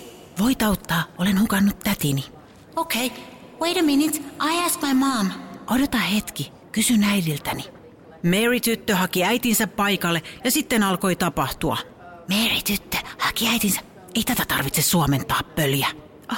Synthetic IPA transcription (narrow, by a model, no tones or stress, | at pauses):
ʋo̞it̪ɑwt̪ːɑːolenhukɑnːut̪ːæt̪ini | oʊkʰeɪ | weɪɾəminitsʔaɪæsk̚majmɑːmʔodot̪ɑhe̞t̪ki | kysynæidilt̪æni | merit̪yt̪ːøhɑkiæit̪insæppɑjkɑlːejɑsit̪ːenɑlko̞it̪ɑpɑht̪uɑ̰ | merit̪yt̪ːø̥hɑkiæjt̪insæ | eit̪æt̪æt̪ɑrʋit̪sesuɑme̞nt̪ɑːppøljæ | ɑ